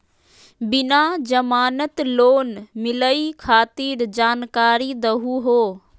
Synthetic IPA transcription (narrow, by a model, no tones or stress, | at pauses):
bɪnad͡ʑɐmaːnət̪loːnmɪləikʰaːt̪iːɾd͡ʒaːnkaːɾid̪ɐɦuɦoː